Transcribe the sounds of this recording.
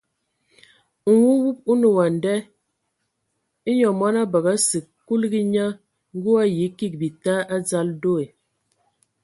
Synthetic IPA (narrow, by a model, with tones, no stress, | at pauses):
ŋ̩˨wu˦wu˦p̚u˦nu˨wa˨n˨dɛ˦ | i˦ɲɔ˨mɔ˦na˦bə˨ɣa˦si˨ | kːu˦lɡi˦ɲa˦ | ŋ˦ɡu˦a˦ji˨˦ki˦k̚bi˨ta˦ʔa˦d͡za˦ldo˦e˨